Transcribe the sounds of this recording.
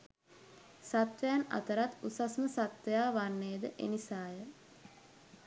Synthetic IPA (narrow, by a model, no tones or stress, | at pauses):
sat̪ʋejana̰t̪əɾat̪usasməsat̪ʋejaːʋanːeːd̪əʔḛnisaːjə